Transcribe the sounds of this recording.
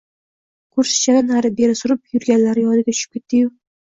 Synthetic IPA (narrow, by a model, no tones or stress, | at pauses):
kʰʊɾsɪ̥t͡ʃʰad̪anaɾɪbe̞ɾɪsʊɾɪp̚jʊɾɡʲanlaɾɪjɒd̪ɪɡʲat̪ʰʊ̥ʃɪ̥p̚kʲe̞t̪ːɪjʊ